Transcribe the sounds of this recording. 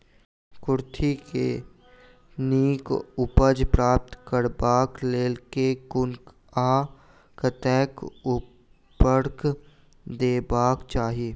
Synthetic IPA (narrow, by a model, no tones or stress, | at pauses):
kʊɾt̪ʰikḛ | niːkʊpəd͡ʒpɾaːp̚t̪kəɾbaːkleːlkekʊnk | aː | kət̪ɛːkʊ | bəɾk | d̪eːbaːkt͡ʃaːɦijeː